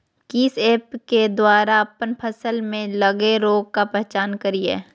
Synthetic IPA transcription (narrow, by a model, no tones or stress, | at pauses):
kiːseːpked̪waːɾaɐpənpʰəsəlmẽləɡeɾoːɡ̚kapɛɦt͡ʃaːnkəɾiɛ̰ː